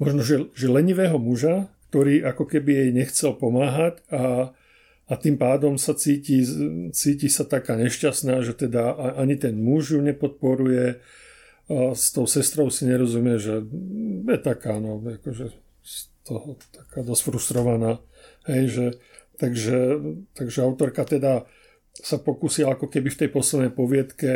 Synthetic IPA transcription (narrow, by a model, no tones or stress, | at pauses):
mɔʒnɔʒɛʒɛlɛɲiʋɛːɦɔmuʒakt̪ɔɾiːʔakɔkɛbijɛjɲɛxt͡sɛlpɔmaːɦacaː | t̪iːmpaːd̪ɔmsat͡siːcit͡siːcisat̪akaːɲɛʃcasnaːʒɛt̪ɛd̪aʔʔaɲit̪ɛnmuʒjuɲɛpɔt̪̚pɔɾujɛ | st̪ɔʊsɛst̪ɾɔʊsiɲɛɾɔzumɪɛʒɛjɛt̪akaːnɔakɔʒɛ | st̪ɔhɔt̪ḁkaːd̪ɔsfɾust̪ɾɔʋanaː | hɛjʒɛ | t̪aɡʒɛt̪aɡʒɛaʊt̪ɔɾkat̪ɛd̪a | sapɔkuːsiaakɔkɛbift̪ɛjpɔslɛd̪nɛjpɔʋɪɛt̪kɛ